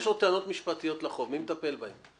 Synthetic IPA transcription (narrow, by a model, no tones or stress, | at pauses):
ʃot̪eano̞t̪miʃpat̪ijo̞t̪laχo̞vmimet̪ape̞lbahem